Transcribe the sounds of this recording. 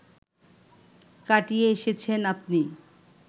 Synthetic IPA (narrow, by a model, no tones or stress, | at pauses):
kaʈijeeʃet͡ɕʰenap̚ni